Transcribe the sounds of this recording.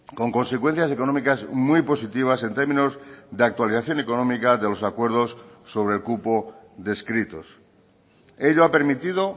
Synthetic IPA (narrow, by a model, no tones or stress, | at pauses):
ko̞ŋko̞nse̞kwen̟θjase̞ko̞nomikazmwijpo̞sit̪iβ̞ase̞nt̪e̞ɾmĩnozðeak̚t̪waliθaθjo̞ne̞ko̞nomikaðe̞lo̞sakwe̞ɾð̞o̞sːo̞βɾe̞lkupoðe̞skɾit̪o̞̰s | e̞ʎoape̞ɾmit̪ið̞o̞